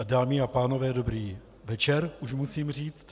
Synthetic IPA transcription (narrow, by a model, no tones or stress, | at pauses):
daːmiapaːno̞vɛːdo̞bɾiː | vɛt͡ʃɛɾʔuʃmusiːmr̝iːt͡st̪